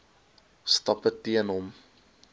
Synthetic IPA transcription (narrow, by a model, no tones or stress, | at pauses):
stɐpətiənɦɔm